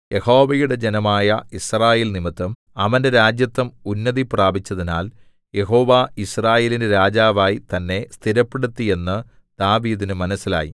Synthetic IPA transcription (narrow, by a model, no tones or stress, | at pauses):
jʔe̞ho̞ːʋɐjuɽe̞d͡ʑenɐmaːjɐisraːjeːlnimit̪ːɐm | ɐʋɐnde̞ɾaːd͡ʑjɐt̪ːɐmunːɐðipraːbʱit͡ɕːɐðina̰ːl | je̞ɦo̞ːʋaːisraːje̞ːlinɨɾaːd͡ʑaːʋaːjit̪ɐnːe̞st̪ʰiɾɐpːeɽut̪ːije̞nːɨ | d̪̥aːʋiːðinɨmɐnɐsːila̰ːjḭ